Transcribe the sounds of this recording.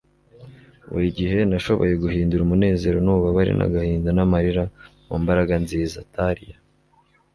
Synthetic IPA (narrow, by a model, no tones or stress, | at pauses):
wṵɾiɟiɦe̞naʃo̞βo̞̰je̞ɡuhiːnduɾumune̞ːze̞ːɾo̞nuːβaβaɾḭnʔa̰ɡahiːndanamaɾiɾa | muːmbaɾaɡanziːza̰tʰaɾija